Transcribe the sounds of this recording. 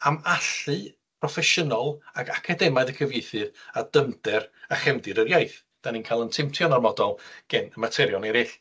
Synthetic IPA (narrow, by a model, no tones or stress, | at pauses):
amaɬɨ | pʰrɔfɛʃənɔlˠaɡakʰadɛmaɨðəkʰəvjejθɨðadəmdɛraχɛmdɨɾərjajθ | d̥aniːnkʰajlˠəntʰɪmtʰjɔnarmɔdɔlˠɡ̥ɛnəmatʰɛɾjɔnɛɾɪɬ